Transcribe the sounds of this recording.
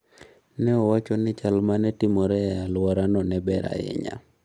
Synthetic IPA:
nɛɔwat͡ʃɔnɪt͡ʃalmanɛtimɔɾɛalwɔɾanɔnɛbɛɾa̰ɪ̰ɲa̰

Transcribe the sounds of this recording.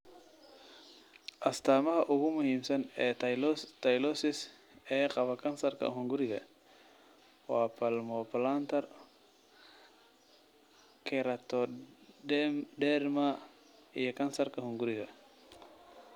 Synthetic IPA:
ʔɐst̪ʰaːmɐɦɐʔʊɣʊmʊhiːmsɐnɛːt̪ʰɐjlɔsɪs | ɛːqɑβɐkʰɐnsɐrkʰɐ̰ɦʊŋɡʊɾɪɣɐ̰ | waːpʰɐlmɔplant̪ʰɐr | kʰɛɾɐt̪ʰɔ | ɖɛrma | ijɔkʰɐnsɐrkʰɐhʊŋɡʊɾɪɣɐ

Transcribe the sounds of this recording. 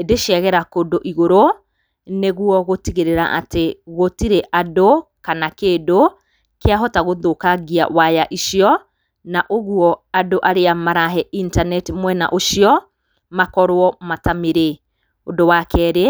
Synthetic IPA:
edeʃɛɣɛɾakodoʔiɣoɾo | neɣwɔɣotiɣeɾeɾa̰ʔa̰teɣotiɾeʔadokanakeːdo | keaɦɔtaɣoðokaɣia̰wajaʔiʃiɔ | naʔoɣwɔadoʔaɾeamaɾaɦɛintanɛtimwɛna̰ʔoʃiɔ | makɔɾwɔmatameɾe | odowakɛːɾe

